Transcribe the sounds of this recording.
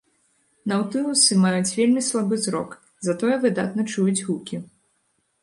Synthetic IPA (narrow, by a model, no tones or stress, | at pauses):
nɐwt̪ɨlˠusɨmajut͡sʲvʲelʲmʲislˠabɨzɾɔ̰k | zat̪ɔjɛvɨd̪a̰t̪nɐt͡ʂujud͡zʲɣukʲi